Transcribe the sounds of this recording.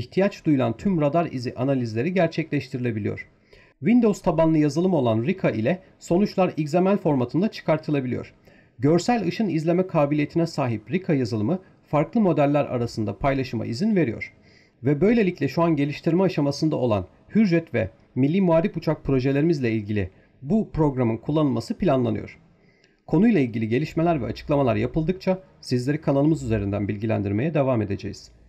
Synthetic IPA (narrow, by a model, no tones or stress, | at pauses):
içt̪ʰijat͡ʃd̪ujulˠa̰nt̪ʰymɾad̪aɾḭziʔanalʲizlʲe̞ɾiɟæɾt͡ʃʰɛclʲɛʃt̪ʰiɾilʲe̞bilʲijo̰ɾ̥ | vind̪o̞wzt̪ʰabanˠɯjazɯlˠɯmo̞lˠanɾikʰaʔilʲɛ | so̞nut͡ʃlˠaɾiczamælʲfo̞ɾmat̪ʰɯnd̪at͡ʃʰɯ̥kʰaɾt̪ʰɯlˠabilʲijo̰ɾ̥ | ɟøɾsælʲɯʃɯnizlʲe̞mɛkʰaːbilʲije̞t̪ʰinɛsaːɦipɾikʰajazɯlˠɯmɯ | faɾklˠɯmo̞d̪ælʲːæɾa̰ɾasɯnd̪a̰pʰajlˠaʃɯma̰ʔizinve̞ɾijo̰ɾ̥ | vɛbø̞jlʲe̞lʲicʰʲlʲɛʃuanɟe̞lʲiʃt̪ʰiɾmɛaʃamasɯnd̪a̰olˠa̰n | hyɾɾɛt̪vɛ̰ | milʲːiːmuaːɾifut͡ʃʰak̚pʰɾo̞ʒe̞lʲe̞ɾimizlʲɛilʲɟilʲɪ̰ | bupɾo̞ɡɾamɯnkʰulˠːanɯlˠmasɯpʰilʲanlˠanɯ̰jo̰ɾ̥ | kʰo̞nujlˠailʲɟʲilʲiɟe̞lʲiʃme̞lʲæɾvɛ̰at͡ʃʰɯ̥klˠamalˠaɾjapʰɯlˠd̪ɯkt͡ʃʰa | sizlʲe̞ɾikʰanalˠɯmɯzyze̞ɾind̪ænbilʲɟʲilʲæ̰nd̪iɾme̞jɛd̪e̞vaːme̞d̪e̞d͡ʒḛjiz̥